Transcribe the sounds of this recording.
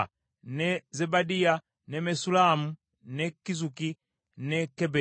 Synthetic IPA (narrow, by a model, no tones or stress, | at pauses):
nɛzɛbadia | nɛmɛsulamu | nɛkizuki | nɛkɛbɛ